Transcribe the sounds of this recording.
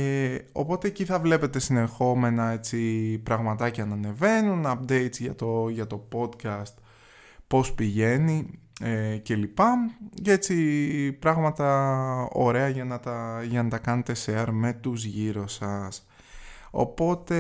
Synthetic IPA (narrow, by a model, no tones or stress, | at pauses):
eo̞̰po̞t̪e̞ːciθɐvle̞pe̞t̪e̞sine̞xo̞me̞nɐe̞t͡sipɾɐɣmɐt̪ɐceɐnɐne̞ve̞nunɐp̚d̪e̞jt̪t͡sʝɐt̪oʝɐt̪o̞po̞d̪cɐst̪ | po̞spiʝe̞ni | ece̞lipɐce̞t͡sipɾɐɣmɐt̪ɐo̞̰ɾe̞ɐʝɐnɐt̪ɐʝɐnɐt̪ɐkɐne̞t̪e̞seɐɾme̞t̪uzʝiɾo̞sɐs | o̞̰po̞t̪e̞